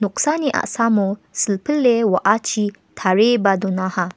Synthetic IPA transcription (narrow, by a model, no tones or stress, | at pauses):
nuqsaniʔa̰ʔsamosəlpəlːewaʔat͡ʃʰi | t̪ʰaɾebad̪unaha